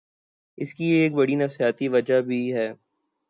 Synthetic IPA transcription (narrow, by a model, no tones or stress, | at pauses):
ɪskiːk̚bɐɽinɐfsijaːt̪iʋɐd͡ʒabʱiɦɛː